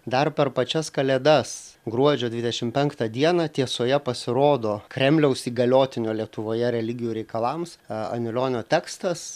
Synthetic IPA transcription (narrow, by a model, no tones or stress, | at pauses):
d̪ɐrpʲɛrpɐt͡ʃʲɛskɐlʲɛd̪ɐsɡɾuɔd͡ʒʲoːd̪ʲʋʲɪd̪ʲɛʃʲɪmpʲɛŋkt̪ɐd̪ʲiɛnɑt̪ʲiɛsoːjɛpɐsʲɪɾoːd̪oːkɾʲɛmʲlʲɛʊsiːɡɐlʲoːt̪ʲɪnʲoːlʲiɛt̪ʊʋoːjɛɾʲɛlʲɪɡʲɪjuːɾʲɛɪkɐlˠɐmsɐ̰nʲɪlʲoːnʲoːt̪ʲɛkst̪ɐs